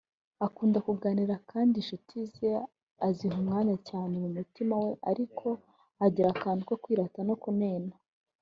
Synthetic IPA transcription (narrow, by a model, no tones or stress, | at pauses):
akuːndakuɡaniɾakʰaːndiʃutʰize | aziɦumŋaːɲacaːne̞mumutimawe̞ʔa̰ɾikʰo̞ | aɟiɾakaːndiko̞kwiːɾatano̞kuneːna